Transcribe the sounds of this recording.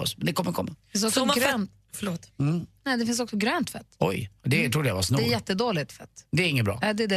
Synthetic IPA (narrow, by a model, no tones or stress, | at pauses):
ɔ̰smɛnd̪ɛkʰɔmːəɾkʰɔmːafɪnsd̪ɔksɔɡɾɛːnt̪ | fəɭoːt̪ːnɛd̪ɛfɪns̬ɔksɔɡɾøːnt̪fɛt̪ːɔ̰jd̪ɛt̪ʰɾud̪ːəjavasnudɛɾjɛt̪ːəd̪oːlɪt̪fɛt̪ːd̪ɛːɾɪŋəbɾɑ̰ːɛːd̪ɛd̪ɛ